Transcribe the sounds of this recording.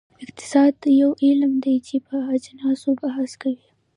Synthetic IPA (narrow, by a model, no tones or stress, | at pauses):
ɪqt̪ɪ̥sɑd̪jawelmd̪ejt͡ʃepəad͡ʒnɑsobaɦaskawi